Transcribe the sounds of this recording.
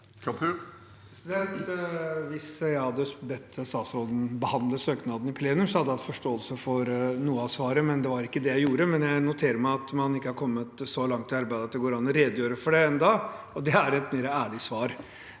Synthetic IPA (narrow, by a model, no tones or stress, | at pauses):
d̪ɛʋɪsjæhɑd̪ːəsbɛt̪ʰːəst̪ɑːsɾɔd̪ən̩bəhɑnd̪ləsøːknɑːd̪n̩ɪpʰleːnʉmsɔhɑd̪ːəɑt̪fɔʂʈoːəlsəfɔɾnuːəɑsʋɑːɾəmɛnd̪ɛʋɑɾɪkːəd̪ɛjæɪjuːɾəmɛnjæɪnʊt̪ʰeːɾəɾmæɪɑt̪mɑnɪkːəhɑɾkʰɔmːət̪sɔlɑŋt̪ʰːɪlɑɾbæɪd̪ət̪ɛɡoːɾɑnəɾɛd̪jøːɾəfɔɖɛɛnd̪ɑː | ɔd̪ɛæɾɛt̪meːɾəæːɭɪsʋɑːɾ